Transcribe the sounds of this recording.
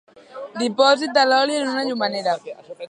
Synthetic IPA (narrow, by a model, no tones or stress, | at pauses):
dipɔzit̪alɔlinnunad͡ʒumanɛda